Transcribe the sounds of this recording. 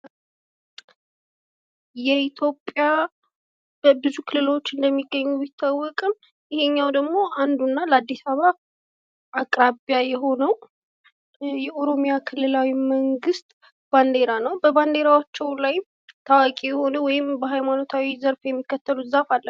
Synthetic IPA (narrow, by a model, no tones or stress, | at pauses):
jɛit̪ʰjopʼja | bəbɨzukʰɨlːɨlo̞t͡ʃːɨnd̪əmːiɡːəɲːuit̪ʰːawːɔkʼɨm | jɪheɲːawd̪əɡmo̞ʔand̪unːalad̪ːisaβa | ʔakʼɾabjajɛɦo̞nəw | jɛʔo̞ɾo̞mijakʰɨlːɨlawiməŋɡɨst̪ʼ | b̥and̪e̞ɾanəwbəband̪e̞ɾawot͡ʃːɛwlaj | t̪ʰawakʼijɛhonəwɔjɪmbəɦajmano̞t̪ʰawizəɾfjɛmːikːət̪ʰːəluzafalːə